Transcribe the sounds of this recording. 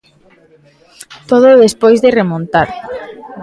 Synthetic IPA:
t̪oð̞oðespojzðeremõnt̪aɾ

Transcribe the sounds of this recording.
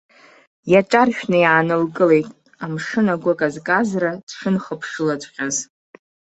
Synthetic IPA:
jaʈ͡ʂʼarʃᶣnɨjʕanɨlɡʼɨle̞jtʼ | amʂɨnaɡʷakʼazkʼazrad̥ʂɨnχəpʰʂɨladχʲaz

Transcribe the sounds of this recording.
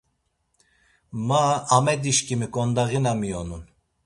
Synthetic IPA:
maːmɛd̪iʃkimikʼɔnd̪aɣinamijɔnun

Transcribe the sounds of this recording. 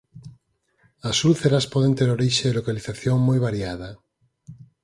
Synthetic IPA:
asuθeɾaspoðent̪eɾoɾiʃeðelokaliθaθjoŋmojβaɾjaða

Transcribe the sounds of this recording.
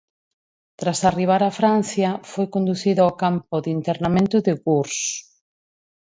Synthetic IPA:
t̪ɾasariβ̞aɾafɾan̟θjɐfojkond̪uθiðʊaokampʊðint̪eɾnamẽnt̪ʊðɪɣuɾs

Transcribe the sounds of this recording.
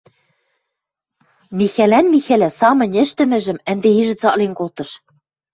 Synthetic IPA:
mixælænmixælæsɑmɤ̆nʲɘ̆ʃt̪ɘ̆mɘ̆ʒɘ̆mɘ̆nd̪eiʒɘ̆t͡sɑʔlenkolt̪ɤ̆ʃ

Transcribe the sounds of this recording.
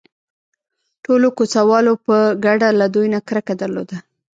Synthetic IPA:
ʈolokot͡sawɑlopəɡaɖalad̪ujnakɾəkad̪aɾlo̰d̪a

